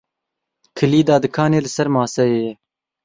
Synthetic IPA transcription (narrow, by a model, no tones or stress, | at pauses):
kʰɨliːd̪ɑːd̪ɨkʰɑːneːlɨsɛɾmɑːsɛeːjɛ